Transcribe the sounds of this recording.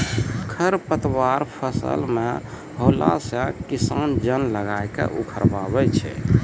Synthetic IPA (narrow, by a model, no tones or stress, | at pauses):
kʰəɾpət̪waɾpʰəsə̰lme | bʱola̰sə̃kisand͡ʒənləɡajkḛʔukʰəɾbabɛt͡ʃʰɛ̰